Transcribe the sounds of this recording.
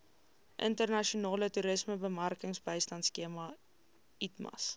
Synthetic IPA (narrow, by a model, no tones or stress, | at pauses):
ʔə̰ntərnɐʃiunɑːlətuɾəsməbəmɐrkəŋsbəjstɐntskiəmɐ | itmɐ̰s